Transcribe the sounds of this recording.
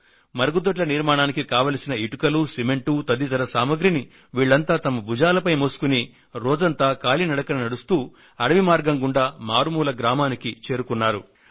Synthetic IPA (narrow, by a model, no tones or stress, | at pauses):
mɐɾɐɡud̪ɐʈ̬lɐniɾmaːɳaːnikikaːʋaːlɐsinɐiʈukɐlusime̞ɳʈut̪ɐd̪it̪ɐɾɐsaːmɐɡɾini | ʋiːɭːɐnt̪aːt̪ɐmɐbud͡ʒaːlɐpɐjmoːsu̥kuni | ɾɔːd͡ʒɐnt̪aːkaːlinɐɽɐkɐnɐnɐɽust̪uː | ɐɽɐʋimaːɾɡɐŋɡuɳɖaːmaːɾumuːlɐɡɾaːmaːnikit͡ʃe̞ːɾukunːaːɾu